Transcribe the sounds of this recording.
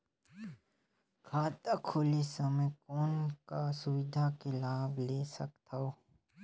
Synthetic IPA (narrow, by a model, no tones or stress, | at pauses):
kʰaːt̪akʰoːlisəməjkɔːnkasʊwɪd̪ʱakelaːbleːsɐkt̪ʰaoː